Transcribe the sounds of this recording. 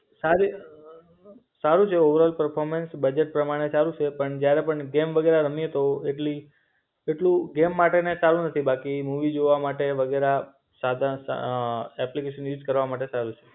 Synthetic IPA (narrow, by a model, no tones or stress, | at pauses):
saɾi | saɾũt͡ʃʰeoʋəɾəlpəɾpʰoɾmensbəd͡ʒeʈ̚pɾəmaɽ̃esaɾũt͡ʃʰepəɳd͡ʒjaɾepəɳɡemʋəɡeɾaɾəmijet̪oeʈli | eʈlũɡemːaʈenesaɾũnət̪ʰibakimuʋid͡ʒoʋamaʈeʋəɡeɾa | sad̪ʱas | ɛplikeʃənjud͡ʒkəɾʋamaʈ̬esaɾut͡ʃʰe̥